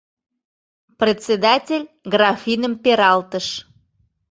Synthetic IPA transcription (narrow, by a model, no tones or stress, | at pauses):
prʲet͡sʲed̪ɑtʲelʲ | ɡrɑfinəmpeɾɑlt̪əʃ